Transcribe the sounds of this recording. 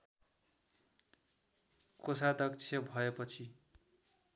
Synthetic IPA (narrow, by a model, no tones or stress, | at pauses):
kosad̪ʌkt͡sʰjʌbʱʌepʌt͡sʰi